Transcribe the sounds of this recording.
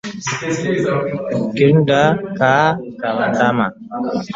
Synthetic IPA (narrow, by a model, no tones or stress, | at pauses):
kiɾndakakaatama̰